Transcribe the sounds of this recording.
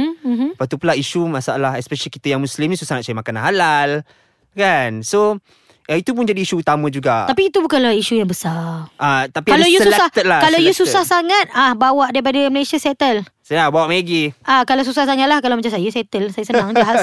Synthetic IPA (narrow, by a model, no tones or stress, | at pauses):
ɦ̩pat̪upəlaʔiʃumasaalaɦɛspɛʃəlikit̪əjaŋmũslimnisusaŋat̪sajəmakanaɦalal | kanso | ʔait̪up̬ʊnd͡ʒadiːʃuːt̪amə̃d͡ʒuɡaapiːt̪ubukanlahiʃujaŋbəsaʔat̪apikalajusəulɛsaht̪ət̪̚lakalawjususahsaŋat̪̚ahbawaʔdaip̬adəməlesiaset̪əlsənabawaʔmeɡiʔakalasusahsaŋaʔ̪lahkalawmət͡ʃansajasɛt̪əlsajasənaŋd͡ʒaɦa